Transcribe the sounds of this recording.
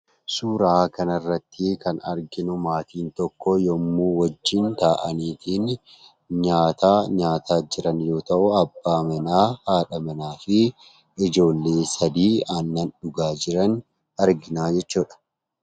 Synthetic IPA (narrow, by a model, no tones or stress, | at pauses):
suːɾɐaːkɐnɐrːɐt̪ːɪkɐnɐ̰ɾɡɪnʊmaːt̪iːnt̪ɔkːɔjɔmːuːwɐd͡ʒːɪnt̪aːʔɐniːt̪ʰiːn | ɲaːt̪aːɲaːt̪ʰaːd͡ʒɪɾɐnjo̞ːt̪ɐʔʊɐbːaːmɐnaːhaːᶑɐmɐnaːfɪ | ɪd͡ʒo̞ːlːeːsɐd̪iːɐnːɐnᶑʊɡaːd͡ʒɪɾɐn | ɐɾɡɪnaːd͡ʒɛt͡ʃːuːᶑɐ̥